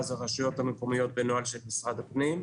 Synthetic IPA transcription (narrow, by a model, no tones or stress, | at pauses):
zaʁaʃujo̞t̪hameko̞mijo̞t̪̚benoalʃelmisʁad̪hapnim